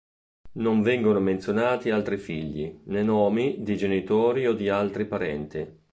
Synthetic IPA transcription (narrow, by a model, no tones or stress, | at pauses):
noɱvɛŋɡonoment̪sjonaːt̪ialt̪ɾifiʎːḭnenɔːmid̪id͡ʒenit̪oːɾiod̪ialt̪ɾipaɾɛnt̪i